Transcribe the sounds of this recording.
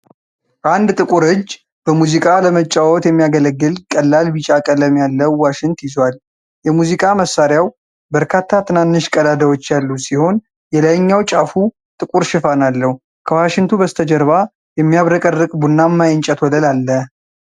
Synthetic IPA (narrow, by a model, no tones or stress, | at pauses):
ʔand̪t̪ʼɨkʼuɾɨd͡ʒː | b̥əmuzikʼaləmət͡ʃʼːawɔt̪jɛmːijaɡələɡːɨlkʼəlːalbit͡ʃʼakʼələmjalːəwaʃɪŋt̪jɪzwal | jɛmuzikʼaməsːaɾjaw | bəɾkʰat̪ʰːat̪ʰɨnanːɨʃkʼəd̪ad̪awot͡ʃːjalːusiho̞n | jɛlajɲːawt͡ʃʼafu | t̪ʼɨkʼuɾʃɪfanalːəhu | kʰəwaʃɪŋt̪ʰubəst̪ʰəd͡ʒəɾβa | jɛmːijaβɾəkʼərːɨkʼbunːamːajɪnt͡ʃʼət̪ʰwɔləlalːə